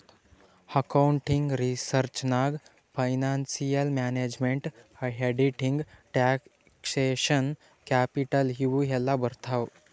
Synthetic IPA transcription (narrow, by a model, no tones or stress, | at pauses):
həkauɳʈiŋɡɾisəɾt͡ɕnaɡ | fəjnansijəlmæned͡ʑmeɳʈhəɦeɖiʈiŋɡʈæ | kseɕən | kæpiʈəlɦiʋuɦɛlːabəɾt̪ʰaʋ